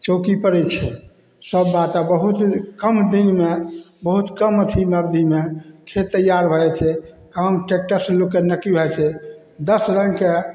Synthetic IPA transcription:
t͡ʃokipəɾɛt͡ʃʰɛ̰ | səbːat̪abəɦut̪kəmd̪inme | bəɦut̪kəmət̪ʰiməbd̪ʱimekʰet̪ːəjaɾbʱəɛt͡ʃʰɛ | kamʈek̚ʈəɾslokːenəkːibʱɛt͡ʃʰɛ | d̪əsɾəŋke

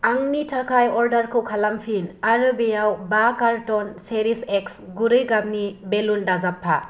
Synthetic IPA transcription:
aŋnitʰakʰajɔɾdɐɾkʰɯwkʰalampʰinaɾɯbejawbakaɾtɔnseɾiseksɡuɾɯjɡab̚nibelundazapʰːa

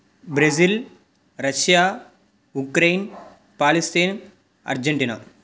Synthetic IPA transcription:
bɾɐzil | ɾɐʃjaː | ukɾejn | paːlist̪iːn | ɐ̰ɾd͡ʒeɳʈina̰

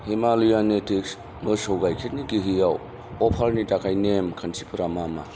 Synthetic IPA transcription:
hemalujanetʰiks | mɯsowɡajkʰet̚niɡiɦɯjaw | ɔpʰalnitakajnemkʰansʰi̥pʰɯɾamama̰

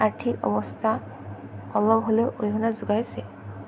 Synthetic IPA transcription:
atʰikɔ̰bɔstʰa | ɔlɔɡɦoleʔojɦɔnazuɡajsɛ

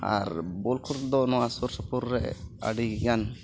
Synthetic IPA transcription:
a̰ɾbolkʰuɾt̪d̪ɔnɔasuɾsɔpuɾːɛ̰a̰ɖiɡiɡan

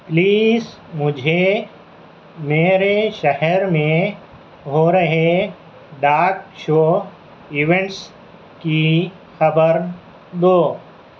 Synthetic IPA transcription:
pliːz | mʊd͡ʒʱe | meːɾeʃɐɦɛɾmẽ | ɦoɾɐɦe | ɖaːkʃoː | ɪʋẽɳʈs | ki | xɐbəɾ | d̪oː

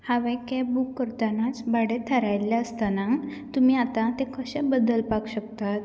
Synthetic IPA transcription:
haʋekebukːəɾt̪anat͡sbaɽet̪ʰəɾajlːjaəst̪ana | t̪umiːat̪ãt̪ekəɕẽbəd̪əlpaɡɕəkt̪at̪

